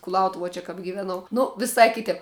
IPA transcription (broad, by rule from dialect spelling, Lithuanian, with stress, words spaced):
kʊlˠɐʊˈtʊʋuɔ t͡ʃʲɛ kɐp ɡʲɪʋʲɛˈnɐʊ ˈnʊ ʋʲɪˈsɐɪ ˈkʲɪtʲɛp